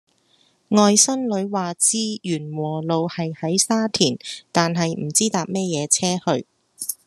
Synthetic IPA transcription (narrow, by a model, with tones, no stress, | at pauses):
ŋɔː˨˧jsɐ˥nlɵ˨˧˥ɥwaː˨t͡siː˥jyː˨˩nwɔː˨˩lo˨˧whɐ˨jhɐ˨˥jsaː˥t̪ʰiː˨˩nt̪aː˨nɦɐ˨jm̩˨˩t͡siː˥t̪aː˨p̚mɛː˥jɛː˨˧t͡sʰɛː˥hɵ˧ɥ